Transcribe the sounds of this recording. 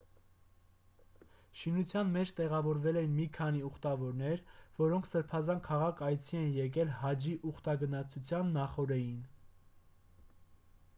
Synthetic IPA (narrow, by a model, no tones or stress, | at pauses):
ʃinut͡sʰjɑnmɛt͡ʃʰt̪ɛʁɑvɔɾvɛlɛjinmikʰɑniuχt̪ɑvɔɾnɛɾvɔɾɔŋkʰsəɾpʰɑzɑnkʰɑʁɑkʰɑjt͡sʰiɛnjɛk̬ɛlhɑd͡ʒiʔuχt̪ɑɡənɑt͡sʰut͡sʰjɑnːɑχɔɾɛjin